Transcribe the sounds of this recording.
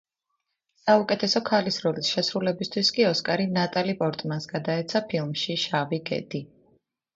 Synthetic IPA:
saukʼɛt̪ʰɛsɔkʰalisɾɔlisʃɛsɾulɛbist̪ʰwiskʼiɔskʼaɾinat̪ʼalipʼɔɾt̪ʼmansɡad̪aɛt̪sʰapʰilˠmʃiʃaviɡɛ̰d̪̥i

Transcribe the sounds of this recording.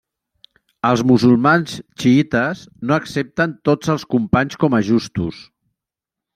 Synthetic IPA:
əlˠzmuzulˠmanst͡ʃiit̪əsnoəksep̚t̪ənt̪od͡zəlˠskumpaɲskɔməʒust̪us

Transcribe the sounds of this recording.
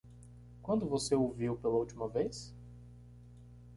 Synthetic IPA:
kwɐ̃nd̪ʊvoseowviwpelɐuwt͡ʃimɐvejs

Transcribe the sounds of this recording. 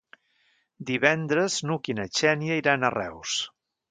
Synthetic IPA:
d̪iβɛnd̪ɾəznukinət͡ʃɛnjəiɾanərɛ̰ws

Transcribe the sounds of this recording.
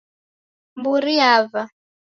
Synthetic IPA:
mbuɾiava

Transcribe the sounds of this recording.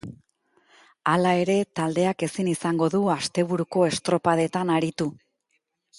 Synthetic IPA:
alae̞ɾe̞t̪ald̪e̞ake̞sinisaŋɡo̞ðuast̪e̞β̞uɾuko̞e̞st̪ɾo̞paðe̞t̪anaɾit̪u

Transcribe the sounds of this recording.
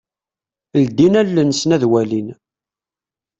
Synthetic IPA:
ld̪inælːənsnæðwælin

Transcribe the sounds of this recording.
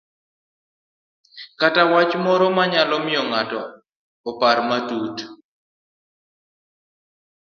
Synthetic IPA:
katawat͡ʃmɔɾɔmaɲalɔmɪjɔŋatɔː | paɾmatut

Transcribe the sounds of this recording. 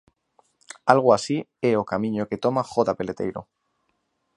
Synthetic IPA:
alɣ̞oasieokamĩɲoke̞t̪o̞maxot̪ape̞le̞t̪e̞̰jɾo̰

